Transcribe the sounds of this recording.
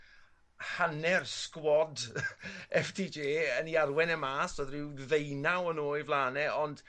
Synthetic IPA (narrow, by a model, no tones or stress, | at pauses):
hanɛrskwɔd | ɛfdʰiːd͡ʒeːəniarwɛnɛmaːsv̥əðrɪwðejnawənoːɨvlˠaːnɛɔnd̥